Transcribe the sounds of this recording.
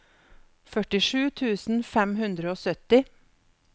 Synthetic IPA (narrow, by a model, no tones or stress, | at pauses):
fœʈɪʂʉːt̪ʰʉːsn̩fɛmhʉnd̪ɾəoːsœt̪ɪ